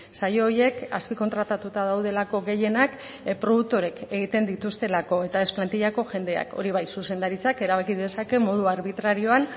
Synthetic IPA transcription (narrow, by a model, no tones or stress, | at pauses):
sajo̞ːje̞ka̰spiko̞nt̪ɾat̪at̪ut̪aðawð̞e̞lako̞ɣe̞je̞nak | pɾo̞ð̞uk̚t̪o̞ɾe̞ke̞ɣ̞it̪e̞nd̪it̪ust̪e̞lako̞e̞t̪ae̞splant̪iʎako̞ʝe̞nd̪e̞a̰ko̞̰ɾiβ̞ajsuse̞nd̪aɾit͡sake̞ɾaβakiðe̞sake̞mo̞ð̞uaɾβit̪ɾaɾio̞an